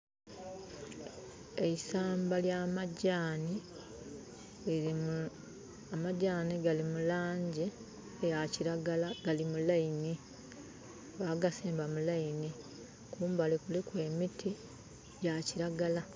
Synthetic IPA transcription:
eisaːmbaljamaɟaːni | amaɟaːniɡalimulaːɲɟe | jaciɾaɡalaɡ̥alimulaini | βaɡasiːmbamulaini | kuːmbalekulikwe̞ːmitʰi | jaciɾaɡala

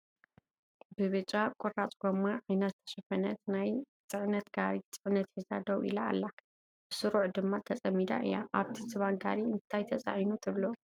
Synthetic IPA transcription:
bɨβɨt͡ʃʼakʷʼɔrat͡sʼɡomaʕajnɐt̪t̪ʰɐ̥ʃɐfɐnɐt̪naj | t͡sʼɨʕnɐt̪ɡaɾit͡sʼɨʕɨnɐt̪ħizad̪ɐwʔḭla̰ːlːa | b̥ɨsɨɾuʕd̪ɨmːat̪ʰɐt͡sʼɐmːid̪a̰ʔɨ̰ja̰ʔaβt̪ʰisɨβanɡa̰ɾiɨnt̪ʰajt̪ʰɐt͡sʼa̰ʕjnut̪ʰɨβlo

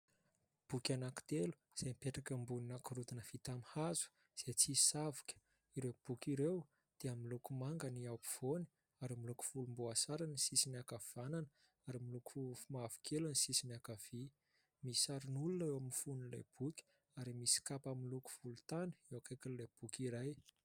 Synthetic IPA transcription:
b̥ukʲanaki̥t̪elu̥ | z̥emipeʈ͡ʂakəmbuninakiɾud̪inəfit̪amihazu̥ | z̥et͡sisavu̥kʲə̥ | iɾeb̥ukʲiɾew | d̪̥eamilukumaŋɡəniawpi̥v̥oni̥ | aɾimiluku̥fulumboasaɾanisisinakav̥ananə | aɾimiluku̥fufmavu̥kʰʲelanisisinakav̥i | misaɾinulunewamnifunila̰jb̥ukʲ | aɾimisi̥kapamiluku̥fulut̪anə̥ewakajkinlab̥ukʲiɾaj

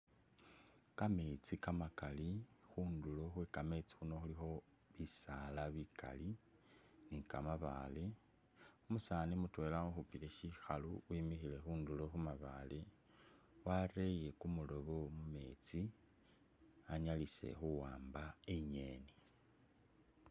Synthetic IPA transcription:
kamet͡sikamakalixuːndulo̞xwekame̞t͡si̥xuno̞xulixo̞ | βisalaβika̰li | nikamaβa̰le | umusaːnimutwe̞lamoxupileʃixaluimixile̞xuːndulo̞xumaβale | waɾe̞je̞kumulo̞βomume̞ːt͡si | aɲalise̞̰xuwaːmbaeɲe̞ːni

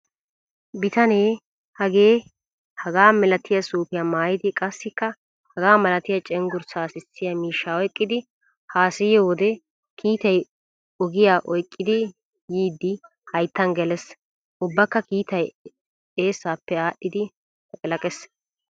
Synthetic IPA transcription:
bɪt̪ɐneː | hɐɡe̞ː | hɐɡaːmɛlɐt̪ɪjɐsuːpɪjɐmaːjɪd̪ɪkʼɐsːɪkːɐ | hɐɡaːmɐlɐt̪ɪjɐt͡ʃʼɛŋɡʊɾsaːsɪsːɪjɐmiːʃːaɔjkʼːɪd̪ɪ | haːsɪjɔwɔd̪ɛ | kʰiːt̪ɐj | ɔɡɪjaːʔɔjkʼːɪd̪ɪ | jiːd̪ːɪ | hɐjt̪ːɐnɡɛlɛs | ʔʊbːɐkːɐkiːt̪ɐj | e̞ːsːaːpːɛaːɗːɪd̪ɪ | kʼɪlɐkʼɛs

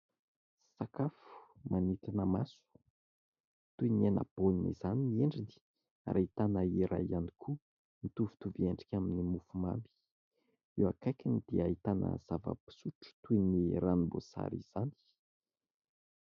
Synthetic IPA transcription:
sakafu̥manit̪inəmasu̥ | t̪uiniana̰b̥oninḭzaniieɳɖ͡ʐini̥ | a̰ɾait̪anəiɾʔa̰ianikʰu | mit̪uvu̥t̪uvieɳɖ͡ʐi̥kʲaminimufuma̰mbi̥ | ewakajkʲinid̪̥eait̪anə̰z̥avə̰pi̥suʈ͡ʂu̥t̪ujniɾanibo̰sa̰ɾḭz̥ani̥

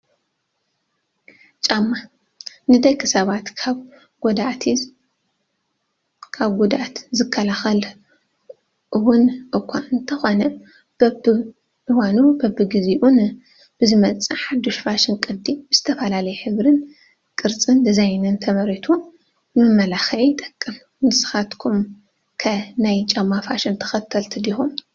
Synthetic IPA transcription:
t͡ʃʼamːa | nɨd̪ɐjkʰɨsɐβat̪ʰaβ | ɡɔd̪at̪ʰi | kʰaβɡud̪at̪zɨkʰːɐlaxɐl | ʔɨwʊnʔɨkʷʰːaɨnt̪ʰɐxonɐ | b̥ɐbɨ | ʔɨwanubɐbɨɡɨziʔun | b̥ɨzɨmɐt͡sʼːɨħad̪ːoʃfaʃɪnkʼɨd̪ibɨzɨ̥t̪ʰɐfɐlalɐjɛħɨβɾɨn | kʼɨɾt͡sʼɨnd̪ɐzajnɨnt̪ʰɐmɐɾit̪ʰu | ɨmɨmːɐlaxɐʕit̪ʼɐ̥kʼːɨm | nɨsɨ̥xat̪kʰum | kʰɐnajt͡ʃʼɐmːafaʃɪnt̪ʰɐ̥xɐt̪ʰːɐlt̪ʰɨd̪ixum

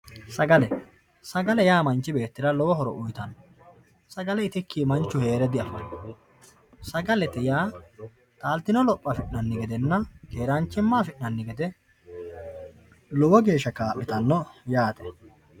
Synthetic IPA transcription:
sɐɡɐlɛ | sɐɡɐlɛjaːmɐnt͡ʃːɪbe̞ːt̪ːɪɾɐlɔwɔɦɔɾɔ̰ʔʊjt̪ɐnːɔ | sɐɡɐlɛɪt̪ɪkʰːiːmɐnt͡ʃːʊhe̞ːɾɛd̪ɪɐfɐn | sɐɡɐlɛt̪ɛjaː | t̪ʼaːlt̪ːɪnɔlɔpʼːɐfɪʔnɐnːɪɡɛd̪ɛnːɐke̞ːɾɐnt͡ʃːɪmːaːfɪʔnɐnːɪɡɛd̪ɛ | lɔwɔɡe̞ːʃːɐkaːpːɪt̪ɐnːɔjaːt̪ɛ̥

